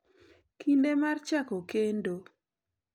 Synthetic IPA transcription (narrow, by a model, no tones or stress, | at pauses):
kʰindemart͡ʃakokendo